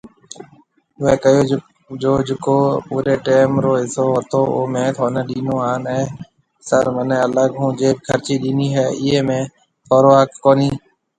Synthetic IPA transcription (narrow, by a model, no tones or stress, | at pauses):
ʋeːkəjoː | d͡ʒoːd͡ʒɪkoːpuːɾeːʈeːmɾoːɪsoːʋət̪oːoːmẽːt̪ʰoːneːɗiːnõːaːnɦɛː | səɾmənẽːələɠɦũːd͡ʒeːbkʰəɾt͡ʃiːɗiːniːɦɛːɪeːmẽː | pʰoːɾoːɦəkːoːniː